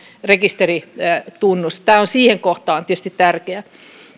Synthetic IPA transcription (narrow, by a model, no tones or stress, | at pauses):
rekist̪erit̪unːust̪æːonsiːheŋkoht̪ɑːnt̪iest̪it̪t̪ærkeæ